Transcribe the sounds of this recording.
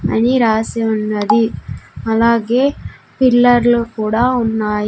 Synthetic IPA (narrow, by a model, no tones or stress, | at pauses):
ɐ̰niɾaːsionɐd̪iɐlaːɡeː | pilːɐɾlukuːɽaunːaːj